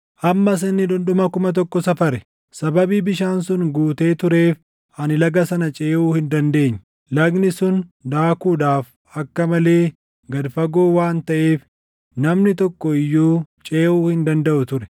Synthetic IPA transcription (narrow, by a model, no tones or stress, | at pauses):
ʔɐmːɐs̬ɪnːɪᶑʊnᶑ̪ʊmɐkʊmɐt̪̬ɔkːɔsɐfɐɾɛ | sɐbɐbiːbɪʃaːnsʊnɡuːt̪e̞ːt̪ʊɾe̞ːf | ʔɐnɪlɐɡɐsɐnɐt͡ʃʼeːʔuːhɪnd̪ɐnd̪e̞ːɲː | lɐɡnɪsʊnd̪aːkuːᶑaːf | ɐkːɐmɐle̞ː | ɡɐd̪fɐɡoːwaːnt̪ɐʔe̞ːf | nɐmnɪt̪ɔkːɔɪjːuːt͡ʃʼe̞ːʔuːhɪnd̪ɐnd̪ɐʔʊt̪ʊɾɛ̥